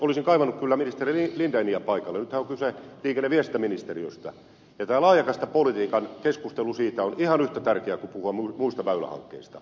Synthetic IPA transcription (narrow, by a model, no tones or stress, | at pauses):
olisiŋkɑiʋɑnːukkylːæminist̪eriilint̪ɑeniæpɑikɑlːenyt̪hæoŋkyseliːkenːeʋiest̪ːæminist̪eriøst̪ɑ̰ | jɑt̪æːlɑːjɑkɑst̪ɑpolit̪iːkɑnkeskust̪elusiːt̪æonihɑnyht̪æt̪ærkeækupuhuɑmumuist̪ɑʋæylæ̰hɑ̰ŋkːḛist̪ɑ̥